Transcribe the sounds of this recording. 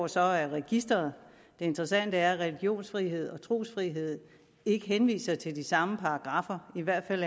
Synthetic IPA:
sɒ̽æɐʁɛɡ̥isd̥ʁɐð̩ˠ | d̥e̝e̝nd̥ʁɐsæn̰d̥əæɐæʁɛliɡ̥jo̝̰ːnsfʁiɦe̝ð̞̰ˠɒ̽t͡sʰʁo̝̰ːsfʁiɦe̝ð̰ˠ | e̝ɡ̥əɦenʋḭːsɐt͡sʰe̝ldisɑ̈məpʰɑ̈ːɡ̥ʁɑ̈fɐiʋæɐ̰d̥fæl

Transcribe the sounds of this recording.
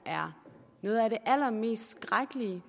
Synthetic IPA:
æɐ | nɔ̽ːð̞̩ˠæɾ̥e̝ʔælɐme̝̰ːsd̥sɡ̥ʁaɡ̥əliə

